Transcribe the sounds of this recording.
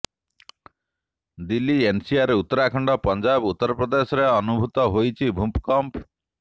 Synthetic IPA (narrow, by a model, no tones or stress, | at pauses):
d̪ilːiensiaɾeut̪ːɔɾakʰɔɳɖɔpɔnd͡ʒabut̪ːɔɾɔpɾɔd̪esɔɾeɔnubʱut̪ɔɦojt͡ʃʰibʱumpkɔmp